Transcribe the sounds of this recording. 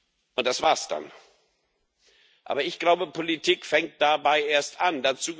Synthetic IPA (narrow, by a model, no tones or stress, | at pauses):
ʔʊnt̚d̥asv̥aːɐsd̥a̰n | ʔa̰ːbɐɪçɡ̥laʊbəpʰolitʰiːkfɛŋt̚d̥abaɪʔeːɐstʔandat͡suːɡ